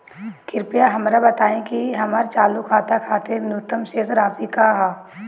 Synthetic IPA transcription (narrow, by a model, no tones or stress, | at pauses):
kɪɾpɪjaɦɐmɾabɐt̪aːẽkiɦɐmaɾt͡ʃaːlukʰaːt̪akʰaːt̪eɾnʊt̪ːəmʃeːsɾaːsikaɦaː